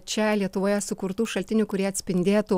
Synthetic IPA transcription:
t͡ʃʲɛlʲiɛt̪ʊʋoːjɛsʊkʊɾt̪uːʃɐlʲt̪ʲɪnʲuːkʊɾʲiɛɐt̪ʲsʲpʲɪnʲd̪ʲeːt̪u

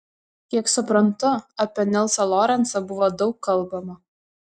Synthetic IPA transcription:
kʲiɛksʊpɾɐnt̪ʊɐpʲɛnʲɛlˠsɐlˠɔɾʲɛnt̪sɐbʊʋod̪ɒʊkːɐlˠbɐmɐ

